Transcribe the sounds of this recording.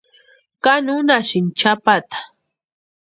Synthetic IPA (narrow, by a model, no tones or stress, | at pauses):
kanʊnaʃɪnt͡ʃapat̪ḁ